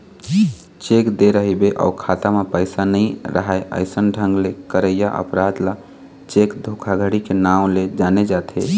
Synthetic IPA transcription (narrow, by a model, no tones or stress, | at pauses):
t͡ʃekd̪eɾəɦibeʔa̰ʊkʰat̪amepəɪsanəɪɾə̰ɦaeʔə̰ɪsənɖʱə̃ŋɡlekəɾəjaʔə̰pɾad̪la | t͡ʃekd̪ʱokʰaɡʱəɽikenaʊled͡ʒaned͡ʒat̪ʰɦḛ